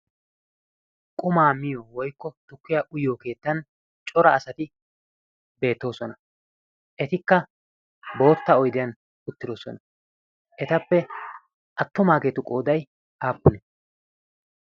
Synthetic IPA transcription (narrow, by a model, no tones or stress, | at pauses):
kʼʊmaːmɪjoːwɔjkːɔt̪ʊkːɪjaːʔʊjoːke̞ːt̪ːɐn | t͡ʃʼɔɾɐːsɐt̪ɪ | be̞ːt̪ːo̞ːsɔnɐ | ʔɛt̪ɪkːɐ | bo̞ːt̪ːɐɔjd̪ɪjɐn | ʊt̪ːɪd̪o̞ːsɔ̰nɐ | ʔɛt̪ɐpːɛ | ʔɐt̪ːʊmaːkeːt̪ʊkʼo̞ːd̪ɐj | aːpːʊnɛ